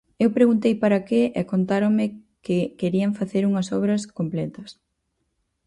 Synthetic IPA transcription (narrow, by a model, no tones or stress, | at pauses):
ewpɾeɣunt̪ejpaɾɐkɪɛkont̪aɾomɪ | kɪkeɾiɐɱfaθeɾuŋɐsɔβɾɐskomplɛt̪ɐs